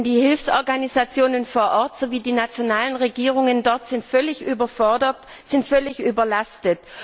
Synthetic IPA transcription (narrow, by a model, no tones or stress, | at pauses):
ndiːhɪlfsʔɔɐɡanizat͡sjoːnənfoːɐʔɔɐtz̥oviːdiːnat͡sjonaːlənʁeɡiːʁ̞ʊŋəndɔɐtz̥ɪntflɪçʔyːbɐfɔdɐt | z̥ɪntfœlɪçʔyːbɐlastət